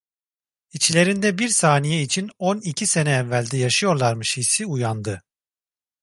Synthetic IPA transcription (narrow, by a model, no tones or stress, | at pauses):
it͡ʃʰlʲe̞ɾind̪ɛbiɾsaːnijɛit͡ʃʰinonicʰise̞nɛːvːælʲd̪ɛjaʃɯjo̞ɾlˠaɾmɯʃisiujand̪ɯ